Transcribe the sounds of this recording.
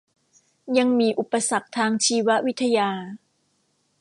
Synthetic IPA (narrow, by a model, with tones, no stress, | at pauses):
ja˧ŋmiː˧ʔu˨˩pːa˧sa˨˩k̚t̪ʰaː˧ŋt͡ɕʰiː˧wa˦˥ʔwi˦˥t̪ʰːa˧jaː˧